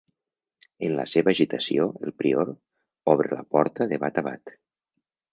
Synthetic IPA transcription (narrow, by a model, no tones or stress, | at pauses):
ənlə̰seβəːʒit̪asioelˠpɾioɾ | ɔβɾelə̰pɔɾt̪əðeβat̪aβa̰t̪